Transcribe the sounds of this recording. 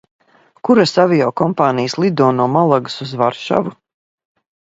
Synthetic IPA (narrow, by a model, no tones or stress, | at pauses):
kuɾasavijɔwkɔmpaːnijəslˠid̪ɔːnɔːmalˠaɡsuzvaɾʃa̰vu